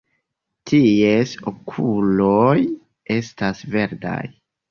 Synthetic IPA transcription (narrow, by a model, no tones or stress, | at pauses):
tʰiesokʰuloj | e̞stasve̞ɾda̰j